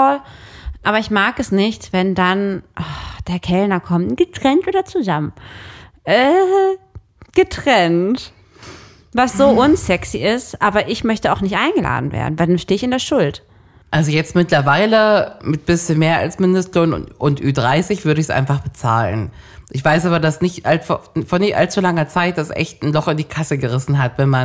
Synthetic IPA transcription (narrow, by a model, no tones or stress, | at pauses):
ɔl | ʔaːβɐɪçmaːkɛsnɪçtv̥ɛndanʔɔd̥eːɐkʰɛlnɐkʰɔmtɡ̥ətʁ̥ɛntʔoːdɐt͡suzamən | ʔɛ | ɡ̥ətʁ̥ɛnt | vasz̥oːʔʊnsɛksiɪstʔaːbɐʔɪçmœçtəaʊxnɪçtʔaɪnɡəlʔa̰ːdn̩vḛːɐdn̩vaɪldanʃteːɪçɪndeːɐʃʊlt | ʔalzojɛt͡stmɪtlɐvaɪləmɪt̚b̥ɪsçənmeːɐʔa̰lsmɪndəstloːn̰ʔʊntʔyːdʁaɪsɪçv̥ʏɐɾəɪsʔa̰ɪnfaχb̥ət͡sa̰ːlə̰n | ʔɪçv̥aɪsʔaːbɐdasnɪçtʔaltffoːɐnɪçtʔa̰lt͡sulaŋɐt͡saɪt̚d̥asʔɛ̰çtn̩lɔχɪndiːkʰasəɡəʁɪsn̩ɦatvɛnman